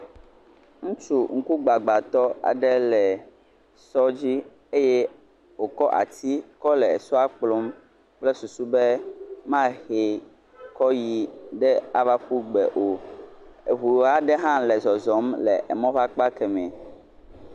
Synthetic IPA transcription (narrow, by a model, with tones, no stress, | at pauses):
ŋũ˦t͡ʃu˦ŋ̩˦ku˦ɡ͡ba˨ɡ͡ba˨t̪ɔ˦a̰˨ɖɛ˦lɛ˨ | sɔ˦d͡ʑi˦ | e˦jɛ˦ | wo˨kɔ˦ʔa̰˨t̪i˦kɔ˦lɛ˨e˨su˦a˦k͡plɔ˦m | k͡plɛ˦su˨su˦bɛ˦mã˦xe˨ | kɔ˦ji˨ɖɛ˦a˨va˦ɸu˦ɡ͡bɛ˨ʔo˨ | e˨ɦu˨a˦ɖɛ˦ɦã˦lɛ˨zɔ˨zɔ˨˦mlɛ̰˨ʔɛ˨mɔ̃˦ɸa˦k͡pa˦kɛ˨mɛ̃˨